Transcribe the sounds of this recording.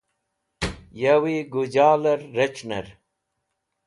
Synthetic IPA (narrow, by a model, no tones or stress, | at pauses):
jawiɡud͡ʑaːlɐɾːet͡ʃnɐɾ